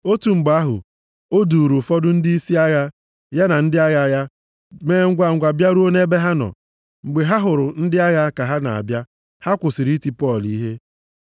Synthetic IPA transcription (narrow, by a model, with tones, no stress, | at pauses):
o˦tu˨ŋ͡m̩˨ɡ͡ba˦ɦʊ̰˨ | o˦du˨ɾu˨fɔ˦dʊ˦n̩˦dɪ˦i˦si˦a˦ɣa˦ | ja˦na˨n̩˦dɪ˦a˦ɣa˦˨ja˦ | meː˦ŋ̩˦ɡʷa˨ŋ̩˨ɡʷa˨bja˦ɾo˦ne˦be˦ɦa˦nɔ̰˨ | ŋ͡m̩˨ɡ͡be˨ɦa˦ɦʊ˨ɾʊ˨n̩˦dɪ˦a˦ɣa˦ka˨ɦa˦na̰˨a̰˨bja˦ | ha˦kʷʊ˨sɪ˨ɾi˦ti˦pɔ˦˨li˦ɦe˦